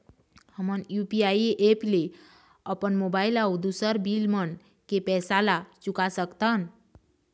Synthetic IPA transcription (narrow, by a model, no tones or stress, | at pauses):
həmənjupiajiʔeple | əpənmobailaud̪usəɾbilmən | kepɛsalat͡ʃukasəkt̪ən